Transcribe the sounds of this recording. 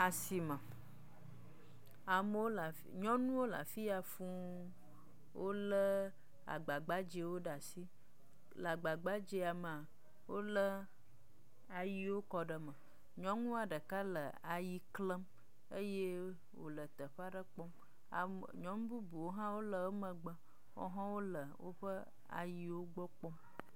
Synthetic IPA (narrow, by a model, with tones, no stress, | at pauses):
a˨si˨mə̃˨ | a˨mə˦wo˦la˨ | ɲɔ̃˦nũ˦wo˦la̰˨fi˦a˨fũ˦ | wʔo˦lə˦ | a̰˨ɡ͡ba˨ɡ͡ba˦d͡ʒe˨wo˦ɖa˨si˦ | la˨ɡ͡ba˨ɡ͡ba˦d͡ʒe˦a˨m˨a˨ | wo˦lə˦ | a˨ji˨wo˦kɔ˨ɖə˨mə˨ | ɲɔ̃˦ŋũ˦a˨ɖə˨ka˦lə˨ | a˨ji˨klə˦m | ə˦je˦ | wo̰˨lə˨t̪ə˨ɸa˦ɖə˦k͡pɔ˦m | a̰˨ | ɲɔ̃˨˦m˦bu˦bu˨wo˦ɦã˦wo˦lə˨ə˦mə̃˨ɡ͡bə˨ | wɔ̰˦ɦã˦wo˦lə˨wo̰˦ɸə˦ | a̰˨ji˨wo˦ɡ͡bɔ˦k͡pɔ˦m